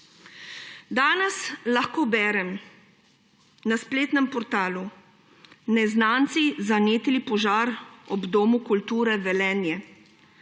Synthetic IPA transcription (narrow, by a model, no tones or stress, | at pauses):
d̪aːnɛslaxkoːbɛːɾɛm | naspleːt̪nɛmpɔɾt̪aːlu | nɛznaːnt̪sizaneːt̪lipɔʒaːɾɔbd̪oːmukult̪uːɾɛvɛlɛːnjɛ